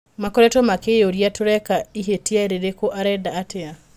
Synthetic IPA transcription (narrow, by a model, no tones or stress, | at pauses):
makɔɾɛtɔmakejoɾijatoɾɛkaiɦetiaeɾeɾekoʔaɾɛdaːtea